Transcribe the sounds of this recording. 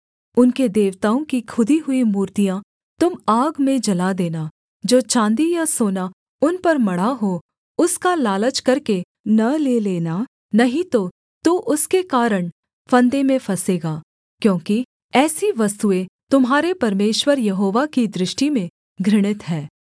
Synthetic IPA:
ʊnked̪eːʋt̪aːõkikʰʊd̪iɦʊimuːɾt̪ijã | t̪ʊmaːɡmẽd͡ʒɐlad̪eːna | d͡ʒoːt͡ʃãːnd̪ijasoːna | ʊnpɐɾmɐɽaɦo | ʊskalaːlət͡ʃkɐɾke | nɐleleːna | nɐɦĩt̪o | t̪uʔʊskekaːɾəɳ̃ | fʰɐ̃nd̪emẽfʰɐseːɡaː | kjõːki | ɛːsiʋɐst̪uẽt̪ʊmɦaːɾepɐɾmeːʃwəɾjɐɦoːʋakid̪ɾɪʃʈimẽ | ɡʱɾɪɽ̃ɪt̪ɦɛː

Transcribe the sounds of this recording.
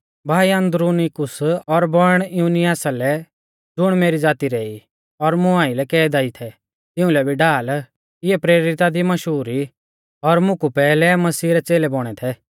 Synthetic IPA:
bʱaːiɐ̃nd̪ɾunikʊsɔɾbɔɽ̃ɪjuːnɪjaːsalɛ | d͡zʊɽ̃meːɾid͡zaːt̪iɾɛːi | ɔɾmʊ̃ãːilɛkɛːd̪aːit̪ʰɛ | t̪ɪ̃ʊ̃lɛbʱiɖaːl | ɪɛpɾeːɾɪt̪ad̪imɐʃɦuːɾi | ɔɾmʊ̃kupɛːlɛmɐsiːɾɛt͡seːlɛbɔɽ̃ɛt̪ʰɛ

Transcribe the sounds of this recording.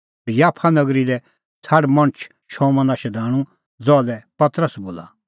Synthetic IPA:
jaːpʰanɐɡɾilɛ | t͡sʰaːɽmɐ̃ɳ̃t͡ʃʰ | ʃʰɔmɐ̃naʃɛd̪ʱaːɽ̃ũ | d͡zɔlɛpɐt̪ɾəsboːla̰

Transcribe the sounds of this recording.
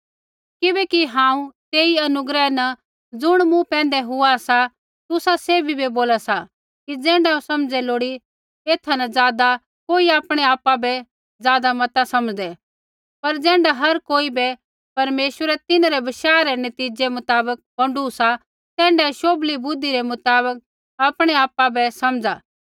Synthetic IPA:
kɪbɛkiɦãːũt̪eːiɐnʊɡɾɛnɐ | d͡zʊɽ̃mũpɛ̃ːn̆d̪ɛɦʊasa | t̪ʊsaseːbʱibeboːlasa | kid͡zɛ̃ːɳɖaõsɐmd͡zɛloːɽi | eːt̪ʰanɐd͡zjaːd̪a | koːiaːpɽ̃ɛaːpabɛ | zjaːd̪amɐt̪asɐmd͡zd̪ɛ | pɐɾd͡zɛ̃ːɳɖaɦɐɾkoːibɛ | pɐɾmeːʃwəɾɛt̪ɪnaɾɛbɐʃaːɾɛnɐt̪iːd͡ʒɛmʊt̪aːbək̚bɐ̃ɳɖusa | t̪ɛ̃ːɳɖɛʃoːblibʊd̪iɾɛmʊt̪aːbək̚ | aːpɽ̃ɛaːpabɛsɐmd͡zaː

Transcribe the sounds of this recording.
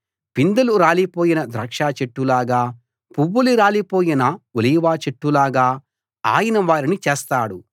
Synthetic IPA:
pind̪ɐluɾaːlipo̞ːjinɐd̪ɾɐːkʂaːt͡ʃeʈːulaːɡaː | puʋːuliɾaːlipo̞ːjinɐuliːʋaːt͡ʃeʈːulaːɡaː | a̰ːjɐnɐʋaːɾinit͡ʃeːst̪aːɽu

